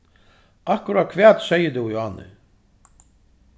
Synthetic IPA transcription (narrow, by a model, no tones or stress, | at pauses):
ahkʊɾat̪̚kʰvɛːt̪sɛjəd̪ujanːɪ̰